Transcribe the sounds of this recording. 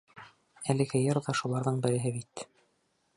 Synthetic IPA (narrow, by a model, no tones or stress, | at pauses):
ælɘkɘ̆jɤɾðɑʃulˠɑɾðɤɴbɘ̆ɾɘ̆ɦɘbit̪